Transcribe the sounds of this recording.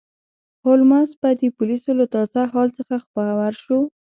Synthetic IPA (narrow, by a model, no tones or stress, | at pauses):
holmasbad̪əpʊlisolat̪ɑzaɦɑlt͡səxaxpəawaɾʃo